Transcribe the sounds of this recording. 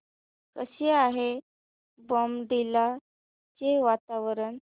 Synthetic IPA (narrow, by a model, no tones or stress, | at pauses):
kəɕeaɦe | bɔmɖila | t͡ɕeʋat̪aʋəɾən